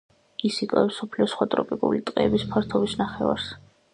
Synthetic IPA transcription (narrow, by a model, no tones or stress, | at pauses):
isikʼɛsɔpʰliɔsχwat̪ʼɾɔpʼikʼṵlit̪ʼqʼɛɛbispʰaɾt̪ʰɔbisnaχɛva̰ɾs